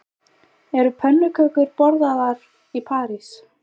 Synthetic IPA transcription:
ɛɾʏpʰɛnːʏkʰœkʏɾpɔɾðaðaɾ | ipʰaːɾis

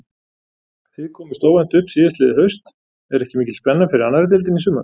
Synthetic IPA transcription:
θiðkʰɔːmʏ̥ɾst̪owvant̪ʏhpsiːðast̪lɪːðɪɦœɥst̪ | ɛɾɛhcɪmiːcɪlspɛnːafɪɾɪɾanːaɾɪt̪̬ɪlt̪ɪnisʏːma̰n

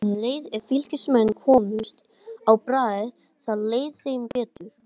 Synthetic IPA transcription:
leːjðɛɾfil̥cɪsmɛnːkʰɔːmʏst̪ | awpɾaːðɪɾ | θaðleːjðθejmpɛːt̪ʏɾ̥

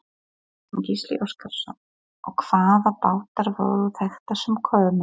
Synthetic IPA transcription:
ncislḭʔowskʰaɾsɔ̰n | ɔɣkʰv̥aːðapaːwt̪aɾvo̰ːwðʏθɛxt̪asɛmkʰœːmɪ

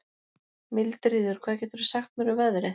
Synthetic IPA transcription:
mɪlt̪ɾiːðʏɾ̥kʰvaːðcɛːt̪ʏɾʏsaxt̪mɛɾʏvɛðɾɪ

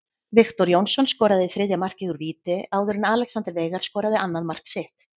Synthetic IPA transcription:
vɪxt̪ɔɾjownsɔnskɔːɾaðɪθɾɪðjamar̥cɪɣʏɾviːt̪ɪaːwðʏɾɪnaːlɛksant̪ɾvejɣaɾ̥skɔːɾaðɪʔanːaðmar̥ksɪht̪

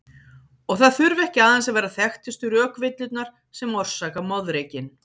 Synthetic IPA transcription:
ɔɣθaðθʏɾvɛhcɪaːðɛns̬avɛːɾaθɛxt̪ʏst̪ʏɾœːkvɪt̪lʏt̪naɾ̥ | sɛmːɔr̥saːkamɔðɾeːjcɪn

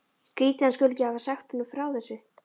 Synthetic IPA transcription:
kɾiːt̪ɪanskʏlɪcɪhavasaxt̪hʏnʏmfɾawθɛsːʏ

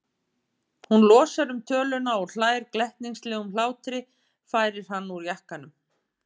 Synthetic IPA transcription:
hunlɔːsaɾʏmt̪ʰœːlʏnaɔɣl̥aːjɾklɛht̪niŋslɛːɣʏml̥aːwt̪ɾɪ | faːjɾɪɾ̥ɦanːuɾjahkanʏm

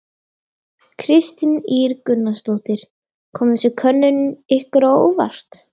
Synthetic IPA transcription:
kʰɾɪst̪iniːɾkʏnːast̪oːwt̪ɪɾ̥ | kʰɔːmθɛsʏkʰœnːʏnʏmɪhkʏɾawo̰ːwva̰r̥t̪

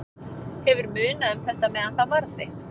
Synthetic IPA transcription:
hɛvʏɾmʏːnaʏmθɛl̥t̪amɛːðanθawvaɾðɪ

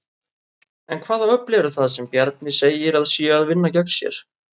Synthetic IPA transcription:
ɛnkʰvaːðaœhplɛvɾʏθaðsɛmpjɛɾt̪̚nɪseːjɪɾaðsiːaaðvɪnːacœksjɛ̰ɾ̥

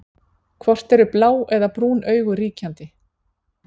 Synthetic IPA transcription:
kʰvɔr̥t̪ɛɾʏplaːwɛðapɾuːnʔœːɥɣʏɾiːcant̪ɪ

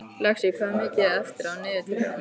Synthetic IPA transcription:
lɛxsjɛɣkʰvamɪːcɪɛft̪ɪɾawnɪːðɪt̪ʰipːa

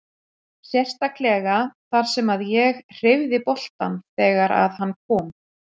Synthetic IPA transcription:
sjɛr̥st̪aklɛːɣaθaɾ̥sɛmaðjɛɣr̥ɪvðɪpɔl̥t̪anθɛːɣaɾa̰ðhanːkʰɔːm

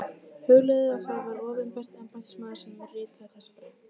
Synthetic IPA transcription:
hœɣlʏðɪafawvaɾɔːvɪnpɛr̥t̪ɛmpajnsmaːðɪ̥sɛnɪrɪːt̪aθɛsːaɾ

